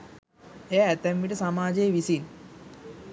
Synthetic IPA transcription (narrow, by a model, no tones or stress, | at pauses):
ejaːt̪ɛmʋiʈəsamaːd͡ʒejʋisin